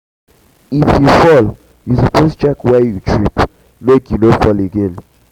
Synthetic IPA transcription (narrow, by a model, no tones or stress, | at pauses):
ifjufɔl | jusapost͡ʃɛkwɛjutʰɹip | mekjunofɔleɡẽn